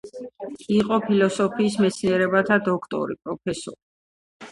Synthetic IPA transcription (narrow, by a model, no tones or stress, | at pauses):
iqʼɔpʰilɔsɔpʰiːs̬mɛt̪sʰniɛɾɛbat̪ʰad̪ɔkʰt̪ʼɔ̰ɾḭpʼɾɔpʰɛsɔ̰ɾi